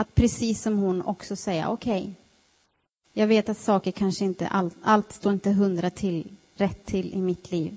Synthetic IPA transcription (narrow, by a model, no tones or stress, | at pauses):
at̪̚pʰɾɛsiːsːɔmhʊnɔ̰ksɔsɛjːa̰ʔɔkʰɛj | jɑːɡveːt̪at̪sɑːkəɾkʰanʂəɪnt̪ə̰ʔaalt̪st̪oːɾɪnt̪əɦɵnd̪ɾat̪ʰɪl | ɾɛt̪ʰːɪlːʔɪmɪt̪ʰliːv